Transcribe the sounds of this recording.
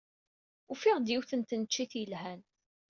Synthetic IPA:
ufiʁd̪jiwθənt̪ənət͡ʃːiθjəlɦæn

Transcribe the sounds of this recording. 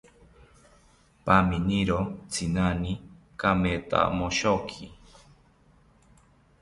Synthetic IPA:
paminiɾot͡sʰinani | kamet̪a̰moʃokʰi

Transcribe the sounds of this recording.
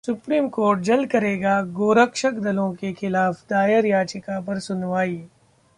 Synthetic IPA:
sʊpɾiːmkoːɾʈ̚d͡ʒɐlkɐɾeːɡaɡoːɾəkʃəkd̪ɐlõkexʰɪlaːfd̪aːjəɾjaːt͡ʃɪkapɐɾsʊnʋaːi

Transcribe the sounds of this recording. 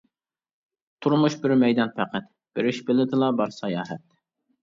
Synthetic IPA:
t̪ʰuɾmuʃbɪɾmɛjd̪ɑnpʰæqʰæt̪ | b̥ɪɾɪʃbɪlɪd̪ɪlˠɑbɑɾsɑjɑːɦɛt̪̚

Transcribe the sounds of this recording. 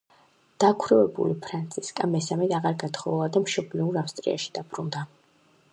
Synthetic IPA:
d̪̥akʰɾɛvɛbṵlipʰɾant̪sʰʼiskʼamɛsamɛt̪aʁaɾɡat̪ʰχɔlˠad̪amʃɔbliuɾafst̪ʼɾḭa̰ʃi̥d̪̥abɾund̪a

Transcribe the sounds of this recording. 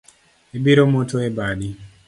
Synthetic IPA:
ebiɾomotʰoebadi

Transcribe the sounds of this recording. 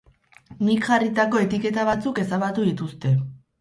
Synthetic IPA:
nikʝarit̪ako̞e̞t̪ike̞t̪aβat͡suke̞saβat̪uðit̪ust̪e̞

